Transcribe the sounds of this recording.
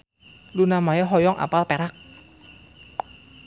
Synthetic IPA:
lunamajɔɦɔjɔŋʔa̰palpeɾak̚

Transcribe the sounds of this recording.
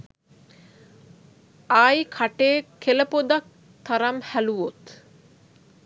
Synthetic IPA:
aːjkʰaʈeːkʰeləpod̪ak̚ | t̪aɾamhæluʋot̪

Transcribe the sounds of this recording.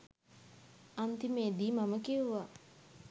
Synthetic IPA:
ant̪imed̪iːmaməkiuʋa

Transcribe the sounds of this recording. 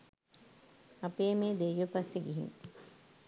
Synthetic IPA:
apeːmeːd̪ejʋəpasːeɡiɦḭŋ

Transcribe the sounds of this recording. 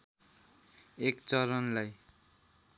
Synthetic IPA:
ekt͡sʌɾʌnlaj

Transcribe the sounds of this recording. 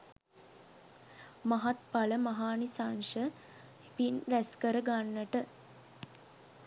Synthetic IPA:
maɦat̪paləmaɦaːnisanʃə | pinɾæskəɾəɡanːəʈə

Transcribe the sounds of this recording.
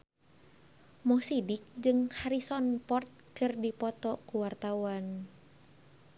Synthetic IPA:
mɔsidik̚d͡ʒɨŋhaɾisɔnpɔrt̪̚kɨrdipɔt̪ɔkuwart̪awan

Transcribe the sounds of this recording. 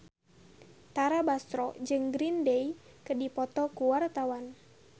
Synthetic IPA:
t̪aɾabast̪ɾɔd͡ʒɨŋɡɾindeikədipɔt̪ɔkuwart̪awan

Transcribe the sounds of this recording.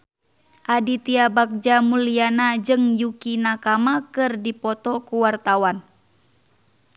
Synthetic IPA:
ʔadit̪iabak̚d͡ʒamulianad͡ʒɨŋjukinakamakɨrdipɔt̪ɔkuwart̪awan

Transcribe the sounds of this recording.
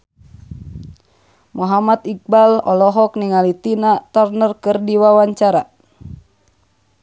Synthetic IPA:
mɔɦamat̪ik̚balɔlɔɦɔk̚niŋalit̪inat̪ɔrnərkɨrdiwawaɲt͡ʃaɾa

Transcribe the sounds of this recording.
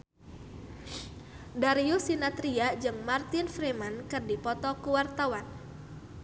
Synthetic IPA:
daɾiusinat̪ɾiad͡ʒɨŋmart̪ɪnfɾemankɨrdipɔt̪ɔkuwart̪awan

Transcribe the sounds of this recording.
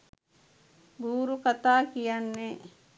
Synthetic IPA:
buːɾukat̪aːkijanːe

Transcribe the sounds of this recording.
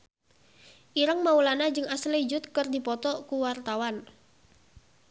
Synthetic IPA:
ʔiɾəŋmaulanad͡ʒɨŋaslid͡ʒʊt̪̚kɨrdipɔt̪ɔkuwart̪awan

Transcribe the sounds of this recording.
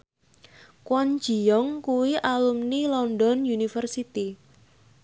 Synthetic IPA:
kwɔnd͡ʒ̥i̤jɔŋkuwiʔalumnilɔndɔnjunifərsit̪i

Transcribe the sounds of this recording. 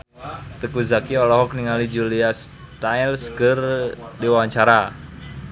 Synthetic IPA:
t̪əkuzakiɔlɔɦɔkniŋalid͡ʒulias | t̪ajlskərdiwawaɲt͡ʃaɾa

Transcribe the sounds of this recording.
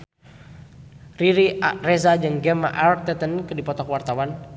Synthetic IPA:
riɾirɛzad͡ʒɨŋɡɛma̰ʔark̚t̪ɛt̪ənkɨdipɔt̪ɔkwart̪awan

